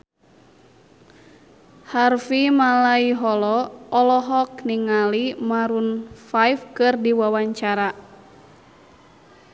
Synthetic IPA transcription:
harfimalaiɦɔlɔɔlɔɦɔkniŋalimaɾunfaifkɨrdiwawaɲt͡ʃaɾa

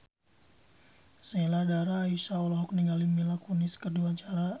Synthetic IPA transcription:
səniladaɾaːisaulaɦɔk̚niŋɡalimilakuniskəduaɲt͡ʃaɾa

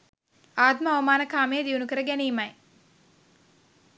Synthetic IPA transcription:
aːt̪məaʋəmaːnəkaːmejəd̪iunukəɾəɡæniːmɐj

